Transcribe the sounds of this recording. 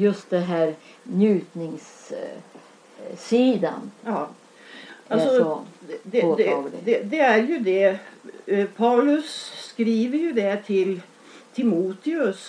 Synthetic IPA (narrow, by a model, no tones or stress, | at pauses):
jɵst̪̚d̪ɛnɦæːɾ | njʉːt̪nɪŋs | iːd̪a̰n | ɑlsɔ | d̪ɛɛd̪ɛd̪ɛæɾjʊd̪ɛ | pʰɑʊlʉsːkɾiːʋəɾjʊd̪ɛt̪ʰɪl | t̪ʰɪmuːt̪ɪʉs